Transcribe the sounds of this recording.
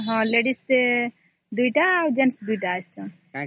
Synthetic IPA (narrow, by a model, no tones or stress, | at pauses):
ɦɔ̃leɽist̪e | d̪ujʈaawd͡ʒensd̪ujʈaːst͡ʃʰã